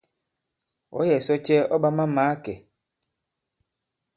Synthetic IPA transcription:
ɔ̰˨˦jɛ˨sɔ˦t͡ʃɛ˦ɔ˦ɓa˦ma˦maː˨˦kɛ˨

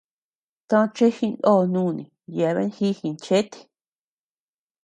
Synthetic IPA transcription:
t̪ã˦˧t͡ʃe˦hi˧nd̪o˦˨nũː˦˨nĩ˨ | ja˨˧βḛ˦xi˦hi˧nt͡ʃe˦t̪i̥˨˧

